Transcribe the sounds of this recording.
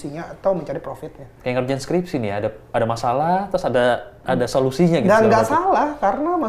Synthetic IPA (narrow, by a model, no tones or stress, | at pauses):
siɲaːt̪awməɲt͡ʃaɾipɾofɪt̪̚ɲakajaŋərd͡ʒanskɾipsinijaadaadamasalaht̪ɾʊsadaʔadasolusiɲaɡidaɡaʔsalahkaɾənama